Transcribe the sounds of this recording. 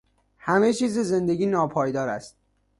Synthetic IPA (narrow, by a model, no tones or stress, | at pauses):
hæme̞t͡ʃʰiːzeze̞nd̪eɡʲiːnɒːpʰɒːjd̪ɒːɾæst̪̚